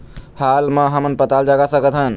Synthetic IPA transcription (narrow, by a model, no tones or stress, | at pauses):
halməɦəmənpət̪ald͡ʒaɡasəkət̪ɦən